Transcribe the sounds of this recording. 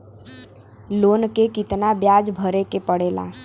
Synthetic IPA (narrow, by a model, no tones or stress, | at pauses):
lonkekit̪nabjad͡ʒbʱəɾekepəɽela̰